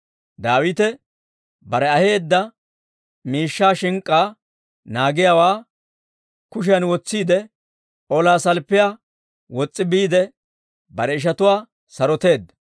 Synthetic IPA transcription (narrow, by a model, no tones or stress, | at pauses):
d̪aːwɪt̪ɛ | bɐɾɛɐhe̞ːd̪ːɐ | miːʃːaːʃɪŋkʼːaː | naːɡɪjawaː | kʊʃ̬ɪjɐnwɔt͡sːiːd̪ɛ | ʔɔlaːsɐlpːɪja | wɔt͡sʼːɪbiːd̪ɛ | bɐɾɛɪʃ̬ɐt̪ʊwaː | sɐɾɔt̪e̞ːd̪ɐ